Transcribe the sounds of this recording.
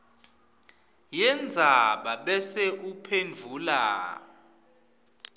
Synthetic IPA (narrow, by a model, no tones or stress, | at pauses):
jɛnd͡zʱaɓaɓɛsɛʔupʰend͡vʱuːla̰